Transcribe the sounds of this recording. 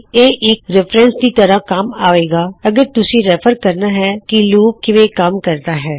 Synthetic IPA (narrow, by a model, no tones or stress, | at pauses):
eːʔɪkɾɪpɾɛ̃nsd̪iːt̪əɾə̃kamaːʋeːɡaːɐɡəɾt̪ʊsĩɾɛpʰəɾkəɾnaːɦɛːkiluːkːɪʋẽːkɐmkəɾt̪aːɦɛː